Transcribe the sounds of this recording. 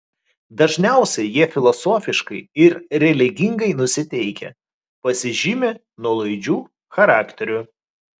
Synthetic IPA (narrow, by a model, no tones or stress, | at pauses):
d̪ɐʒʲnʲæˑʊsʲɛjiɛfʲɪlˠɔsoːfʲɪʃkɐɪɪɾɾʲɛlʲɪɡʲɪŋɡɐɪnʊsʲɪt̪ʲɛɪkʲɛ̰ | pɐsʲɪʒʲɪmʲe | nuɔlˠɐɪd͡ʒʲuː | xɐɾɑːkt̪ʲɛɾʲʊ